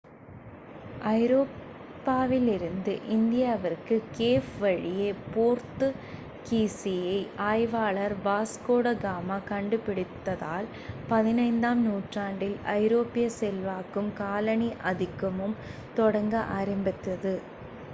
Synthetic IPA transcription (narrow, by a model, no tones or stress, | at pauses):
ʔɐɪɾoː | pːaːʋɪlɪɾɯnd̪ɯʔɪnd̪ɪjaːʋɐɾkɯkeːfʋɐɻɪjeːpoːɾt̪ɯ | kiːsɪjɐɪʔaːjʋaːlɐɾbaːskoːɽɐɡaːmaːkɐɳɖɯpɪɽɪt̪ːɐða̰ːl | pɐðɪnɐɪnd̪aːmnuːʈraːɳɖɪlɐɪɾoːpɪjɐsɛlʋaːkːɯmkaːlɐɳiʔɐðɪkːɐmɯmt̪ɔɽɐŋɡɐʔaːɾɪmbɪt̪ːɐðɯ